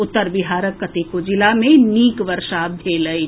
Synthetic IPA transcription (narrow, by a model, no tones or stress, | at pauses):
ʊt̪ːəɾbɪɦaːɾəkːət̪ikod͡ʒɪlamẽniːkʋəɾʃabʱeːləi